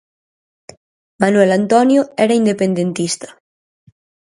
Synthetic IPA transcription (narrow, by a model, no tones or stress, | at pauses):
manuɛlant̪ɔnjoɛɾaind̪epend̪ent̪ist̪ḁ